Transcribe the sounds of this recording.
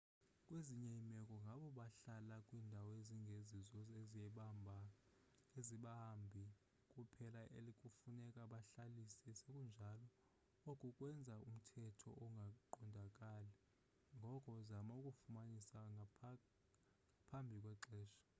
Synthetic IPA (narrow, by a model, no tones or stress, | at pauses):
kʼweziɲɛimɛkʼɔŋɡʱaɓɔɓaɬalakʼwiːndʱawɔeziŋɡʱezizɔeziɛɓambʱa | eziɓambʱi | kʼupʰɛlaʔelikʼufunɛkʼaɓaɬalisɛsekʼund͡ʒʱalɔ | okʼukʼwɛnd͡zʱaum̩tʰɛtʰɔ̰ʔɔŋɡʱaǃɔndʱakʼalɛ | ŋɡʱɔkʼɔzamaukʼufumanisaŋ | ŋapʰambʱikʼwɛǃɛːʃɔ̥